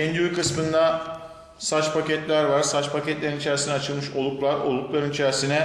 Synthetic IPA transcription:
ɛnd̪yyɾkʰɯsmɯnd̪a | sat͡ʃpʰacɛt̪lʲæɾvaɾsat͡ʃpʰacɛt̪lʲeɾinit͡ʃʰɛɾisinɛat͡ʃʰɯlˠmɯʃo̞lˠuklˠaɾo̞̰lˠuklˠaɾɯnit͡ʃʰæɾisinɛ

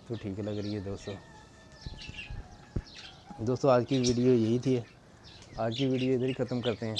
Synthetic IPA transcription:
t̪oʈʰiːklɐɡɾeiɦɛd̪oːst̪õː | d̪oːst̪õaːd͡ʒkiʋiːɖijojɐɦit̪ʰiɦɛː | aːd͡ʒkiʋiːɖijoɪd̪əɾixʰɐt̪əmkɐɾt̪eɦɛ̃ː

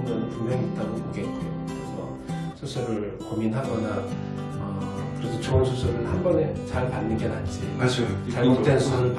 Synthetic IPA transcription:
ndʌnepumeŋit̚t͈aɡopoɡek͈eokɯɾesʰʌ̰ | sʰus͈ʰeɡɯɭ | kominɦaɡʌna | ʌ | kɯɾesʰʌt͡ɕʰounsʰus͈ʰeɡɯɭhambʌne̞t͡ɕaɭpanːɯnɡenand͡ʑiad͡ʑt͡ɕaɭmit͈ensʰuɯɭp

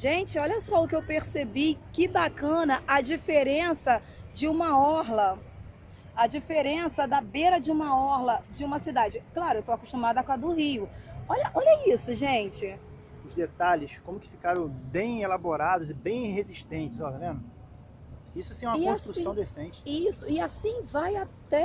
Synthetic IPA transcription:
ʒẽt͡ʃɪɔʎɐsɔʊkɪewpeɾsebikɪbakɐ̃nɐʔɐd͡ʒifeɾẽsɐ | d͡ʒɪũmɐɔɦlɐ | ɐd͡ʒifeɾẽsɐd̪ɐbeɾɐd͡ʒɪũmɐɔɾlɐd͡ʒɪũmɐsid̪ad͡ʒɪklaɾʊewt̪oakuʃt̪umad̪ɐakad̪ʊɦijʊɔʎɐʔɔʎɐisʊʒẽnt͡ʃɪ | ʊzd̪et̪aʎɪskõmʊkɪ̥fi̥kaɾɐ̃w̃bẽj̃elaboɾad̪ʊzɪbẽj̃heziʃt̪ẽt͡ʃɪzɔlɐvẽnʊ | isʊasĩɛ̃umɐõʃt̪ɾussɐ̃w̃d̪esẽnt͡ʃɪisʊɪasĩvajat̪ɛ

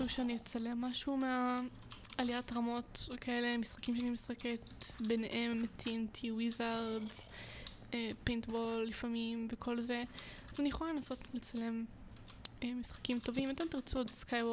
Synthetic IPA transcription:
ʃuvʃeanijet͡sale̞mːaʃumea | aliatʁamo̞tkʰae̞le̞misχakimʃeanimisχeketbeneʔemtʰintʰiwizaʁdz̥ | epintbo̞lːifamimvekʰo̞lze̞azanijeχolalenaso̞tlet͡sale̞m | emisχḁkimto̞vimat̪̬emtiʁt͡suodskajbo

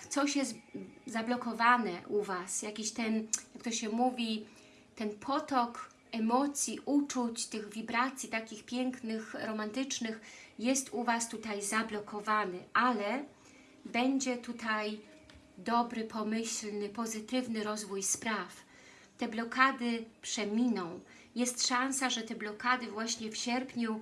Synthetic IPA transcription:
t̪sɔɕjɛst̪zablɔkɔvanɛʔuvasjakʲiɕt̪ɛnjakt̪ɔɕɛmuvʲi | t̪ɛnpʰɔt̪ɔk | ɛmɔt̪sʲjiʔut͡ʂut͡ɕt̪ɘɣvʲibɾat̪sʲjit̪akʲixpʲjɛŋknɘxɾɔmant̪ɘt͡ʂnɘxjɛst̪uvast̪ut̪ajzablɔkʰɔvanɘʔalɛ | bɛɲd͡ʑɛt̪ut̪aj | d̪ɔbɾɘpʰɔmɘɕlnɘpɔzɘt̪ɘvnɘɾɔzvujspɾaf | t̪ɛblɔkʰad̪ɘpʂɛmʲinɔ̃w̃ | jɛst̪ʂãnsaʐɛt̪ɛblɔkad̪ɘvwaɕɲɛfɕɛɾpɲu

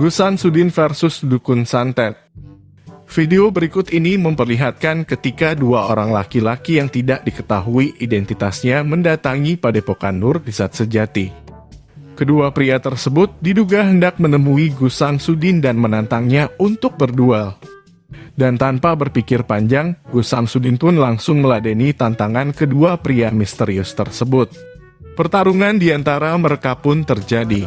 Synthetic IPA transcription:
ɡusansudɪnfɛrsʊsdukʊnsant̪ɛt̪̚ | fideobəɾikʊt̪iniməmpərliɦat̪̚kankət̪ikaduaʔoɾaŋlakilakijaŋt̪idaʔ̚dikə̥t̪aɦuiʔidɛnt̪it̪asɲaməndat̪aŋipadepoka̰ndʊrdisaːt̪̚səd͡ʒat̪i | kəduapɾiat̪ərsəbʊt̪̚diduɡaɦəndak̚mənəmuiɡusaŋsudɪndanmənant̪aŋɲaunt̪ʊk̚bərdual | dant̪anpabərpikɪrpaɲd͡ʒaŋɡusaŋsudɪnpʊnlaŋsʊŋməladənit̪ant̪aŋankəduapɾiamist̪əɾiʊst̪ərsəbʊt̪̚ | pərt̪aɾuŋandiant̪aɾaməɾekapʊnt̪ərd͡ʒadi

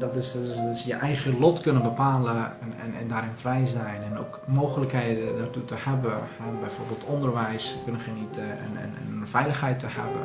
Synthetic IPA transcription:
dɔtɪsɪsjəʔɛjɣəlɔtkønənbəpaːləɛ̰nɛ̰ndaːɾɪnfrɛjzɛjnɛno̰kmoːxələkhejdədartutəhɛbəhɛbɛjfoɹbeːlˠtʰɔndərʋɛjskønəxənitə̰n̰fɛjləxhɛjtəhɛ̰bə

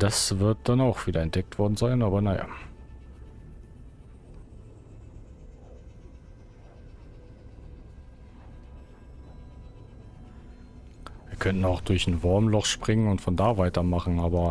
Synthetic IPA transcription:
d̥asv̥ɪɐt̚d̥anaʊxv̥iːdɐɛntd̥ɛk̚tv̥ɔɐdn̩zaɪnaːbɐnaja̰ | viːɐkʰœntn̩aʊxd̥ʊɐçnvʊɐmlɔχʃpʁ̥ɪŋənʊntfɔndaːvaɪtɐmaχn̩ʔaːbɐ

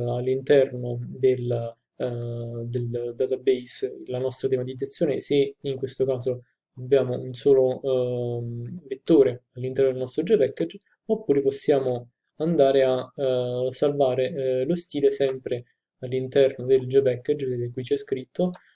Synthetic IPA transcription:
alːint̪ɛrnod̪el | d̪eld̪at̪abejslanɔst̪ɾat̪̬emat̪id̪zːat̪sːjoːneseiŋkwest̪okaːzo | abːjaːmounsoːlo | vet̪ːoːɾealːint̪ɛrnod̪elnɔst̪ɾod͡ʒepɛkːed͡ʒ | opːuːɾeposːjaːmo | and̪aːɾea | salvaːɾelost̪iːlesɛmpɾe | alːint̪ɛrnod̪eld͡ʒepɛkːed͡ʒd̪ekːujt͡ʃiɛskɾit̪ʰːo

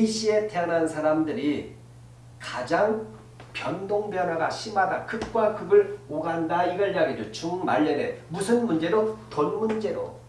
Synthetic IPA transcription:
iɕ͈ʰie̞teʌnannsʰaɾamdɯɾi | kad͡ʑaŋ | pjʌndoŋbjʌnɦwaɡaɕʰimɦadakʰɯk̚k͈wakɯɡɯɭoɡandaiɡʌɭjaɡidot͡ɕuŋma̰ʎːedemusʰɯnmund͡ʑe̞ɾotonmund͡ʑe̞ɾo̰

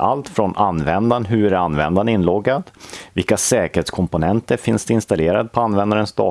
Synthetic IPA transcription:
a̰lt̪fɾɔnʔanːvɛnd̪anɦɵæɾanvɛ̰nd̪anɪnːlɔɡːad̪vɪlkasɛːkəɾeːt̪skʰɔmpʊnɛnt̪əɾfɪnsd̪ɛɪnst̪aleːɾad̪̚pʰɔanːvɛnd̪aɾənst̪ɑ̰ː

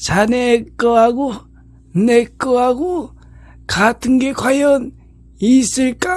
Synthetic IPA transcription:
t͡ʃʰanekːɔaɡu | nekːɯaɡu | kʰatʰɯŋɡekʰwajɔn | isilkʼa

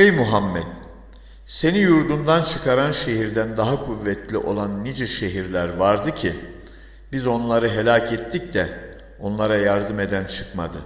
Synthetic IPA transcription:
ejmuɦamːɛt̪ | se̞nijuɾd̪und̪ant͡ʃʰɯkʰaɾanʃe̞ɦiɾd̪ænd̪aɦakʰuvːɛt̪lʲiʔo̞lˠanːid͡ʒɛʃe̞ɦiɾlʲæɾvaɾd̪ɯcʰi | bizo̞nlˠaɾɯɦe̞lʲaːcʰɛt̪ʰːicd̪ɛ | o̞nlˠaɾajaɾd̪ɯme̞d̪ænt͡ʃʰɯ̥kma̰d̪ɯ

